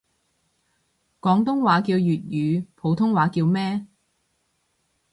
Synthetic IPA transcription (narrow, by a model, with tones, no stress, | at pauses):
kɔː˨˥ŋt̪ʊ˥ŋwaː˨˧˥kiː˧wjyː˨t̚jyː˨˧pʰo˨˧˥wt̪ʰʊ˥ŋwaː˨˥kiː˧wmɛː˥